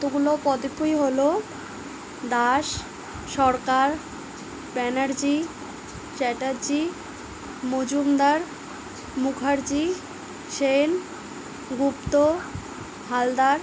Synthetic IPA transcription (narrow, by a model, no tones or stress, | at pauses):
t̪oɡulopɔd̪ipʰːujɦolo | d̪aʃ | ʃɔɾkaɾ | bɛnaɾd͡ʑi | ʃɛʈaɾd͡ʑi | mod͡ʑumd̪aɾ | mukʰaɾd͡ʑi | ʃen | ɡupt̪o | ɦald̪aɾ